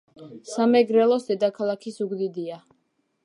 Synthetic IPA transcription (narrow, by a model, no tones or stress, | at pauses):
samɛɡɾɛlˠɔsd̪ɛd̪akʰalˠakʰisuɡd̪id̪ia